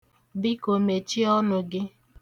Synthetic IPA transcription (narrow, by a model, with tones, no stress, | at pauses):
bɪ˦ko˨me˨t͡ʃi˦ɔ˦nʊ˨ɡɪ˦